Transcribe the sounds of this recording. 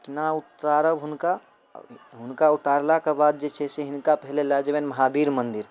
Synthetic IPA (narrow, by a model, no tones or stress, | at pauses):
ɪʈnaut̪aɾəbɦʊnka | ɦʊnkaut̪aɾlakabaːd̪̚d͡ʒet͡ʃʰɛseɦɪnkapɛɦlelad͡ʒebenməɦabiːɾmənd̪iɾ